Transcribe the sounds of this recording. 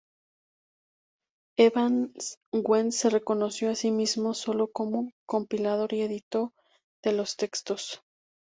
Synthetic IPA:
eβanɡwense̞re̞ko̞no̞sjo̞asimizmoso̞lo̞ko̞muŋko̞mpilaðo̞ɾie̞ðit̪o̞ | ðe̞lo̞st̪e̞kst̪o̞s

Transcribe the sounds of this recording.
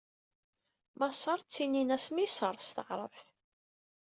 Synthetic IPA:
mɑsˤɑɾˤt͡sːininæsmisəɾˤst̪əʁɾˤə̰fθ

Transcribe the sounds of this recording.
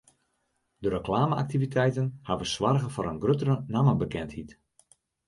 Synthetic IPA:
dəɾəklaːməa̰k̚tivitʰɛjtənhaʋəsʋarɣəfɔɾənɡrøtəɾənaməbəkɛnthit

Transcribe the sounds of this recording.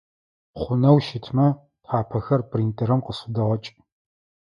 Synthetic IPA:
χʷʊnɐwʃɪtʰmɐ | tħaːpʰɐxɐrprintʼɐɾɐmqəsʊdɐʁɐt͡ʃʼ

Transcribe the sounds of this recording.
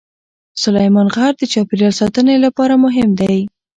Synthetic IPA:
sʊlajmɑnɣɑɾd̪ət͡ʃɑpɪɾjɑlsɑt̪ənelapɑɾamʊɦɪmd̪aj

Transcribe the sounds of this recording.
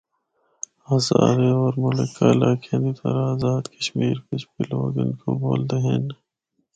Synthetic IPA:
aːza̰ːɾeɔːɾmʊlɪkːaɪlaːkʰenit̪ʰɐ̰ɾaːzaːd̪kəʃmiːɾpɪt͡ʃʰbiloːɡɪnkoboːld̪eɦen

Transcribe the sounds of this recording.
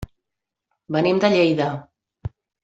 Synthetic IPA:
bənimd̪əʎejðə

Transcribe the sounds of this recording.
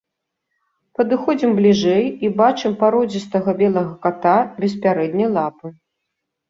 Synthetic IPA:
pɐd̪ɨxɔd͡zʲimblʲiʐɛjibat͡ʂɨmpaɾɔd͡zʲist̪ɐɣɐbʲɛlˠɐɣɐkat̪abʲɛs̬pʲaɾɛd̪ʲnʲɐjlˠapɨ

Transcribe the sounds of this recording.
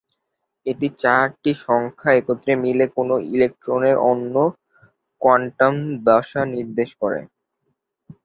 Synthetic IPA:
eʈit͡ɕaɾʈiʃɔŋkʰaekot̪ːɾemilekonoilek̚ʈɾoneɾʔonːo | kwaɳʈamd̪aʃaniɾd̪eʃkɔɾḛ

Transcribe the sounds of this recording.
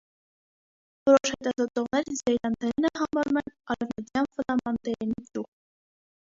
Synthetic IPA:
vɔɾɔʃhɛt̪ɑzɔt̪ɔʁnɛɾzɛjɾɑnt̪ɛɾinəɦɑmɑɾumɛnɑɾɛvnət̪jɑnvəlɑmɑnt̪ɛɾinid̪uχ

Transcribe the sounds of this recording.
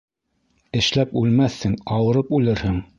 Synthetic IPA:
ɘ̆ʃlæpʉlmæθhɘŋɑwɤ̆ɾɤpʉlɘɾhɘŋ

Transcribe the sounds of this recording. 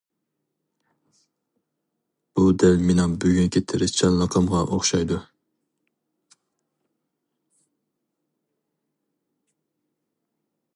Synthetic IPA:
b̥ud̪ɛlmɪnɑŋbøɡʲynkʲʰet̪ʰɪɾɪst͡ʃʰɑlˠːɑqʰɑmʁɑʔoχʃɑjd̪u

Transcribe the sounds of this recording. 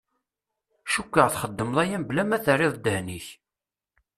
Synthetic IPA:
ʃukːəʁθχəd̪ːəmðˤæjæmblæmæθərːɪðˤd̪əhniç

